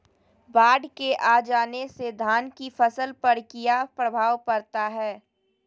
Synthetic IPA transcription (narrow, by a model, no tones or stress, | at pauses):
baːɖkeʔad͡ʒaːnesed̪ʱaːnkifɐsəlpɐɾkijapɾəbʱaːʋpɐɾt̪aɦɛː